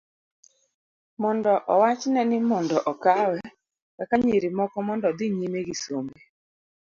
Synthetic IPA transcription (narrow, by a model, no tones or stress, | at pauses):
mɔndɔʔɔwat͡ʃnɛnɪmɔndɔʔɔkawɛ | wɛkaɲeɾimɔkɔmɔndɔd̪ɪɲimeɡisome